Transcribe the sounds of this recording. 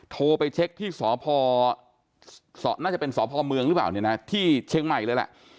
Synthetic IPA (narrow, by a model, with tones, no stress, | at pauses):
t̪ʰoː˧pa˧jt͡ɕʰe˦˥k̚t̪ʰiː˥˩sɔː˩˦pʰɔː˧ | sɔ̰ː˩˦naː˥˩t͡ɕa˨˩pe˧nsɔː˩˦pʰɔː˧mɯ˧ŋɾɯ˦˥plaː˨˩wni˥˩na˦˥t̪ʰiː˥˩t͡ɕʰe˦˥ŋma˨˩jlɤː˧jlɛ̰˨˩ʔ